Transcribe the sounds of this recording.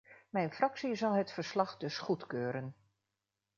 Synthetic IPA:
mɛjnfrɑksizɑlˠɦətfərslɑχdɵsχutkøːɾən

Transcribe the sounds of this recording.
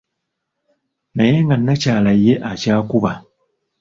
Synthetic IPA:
naje̞ŋɡanːacaːlajːe̞ʔacaːkuβa

